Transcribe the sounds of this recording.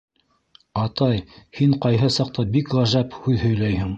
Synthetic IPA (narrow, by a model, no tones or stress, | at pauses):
ɑt̪ɑjhiɴqɑjɦɤsɑq̚t̪ɑbikʁæʒæphʉðhɵ̆jlæjhɘŋ